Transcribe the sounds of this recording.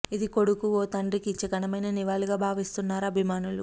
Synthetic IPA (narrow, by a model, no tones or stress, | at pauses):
id̪iko̞ɽukuoːt̪ɐɳɖrikit͡ʃɐkɐnɐmɐjnɐniʋaːliɡaːbʱaːʋist̪unːaːɾɐɐbʱimaːnulṵ